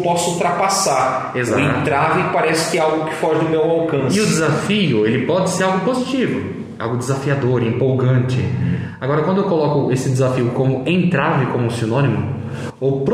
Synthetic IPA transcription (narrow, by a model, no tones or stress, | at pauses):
pɔsʊut̪ɾapasaɾ | eza̰ẽt̪t̪ɾavɪpaɾɛsɪ̥kɪɛawɡʊkɪ̥fɔʒɪd̪ʊmewawkɐ̃sɪʊd͡ʒɪzafiʊelɪpɔd͡ʒɪseɾawɡʊpozit͡ʃivʊ | a̰wɡʊd͡ʒɪzafiad̪oɾɪĩpowɡɐ̃nt͡ʃɪ̰ | aɡɔɾɐkw̃d̪ʊewkolɔkʊesɪd͡ʒɪzafiʊkõmʊẽnt̪ɾavɪkõmʊsinõnimʊ | owpɾ